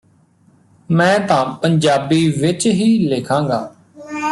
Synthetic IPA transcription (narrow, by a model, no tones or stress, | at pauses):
mɛ̃ːt̪ãːpəɲd͡ʒaːbiːʋɪt͡ʃɦiːleːkʰãːŋɡa̰ː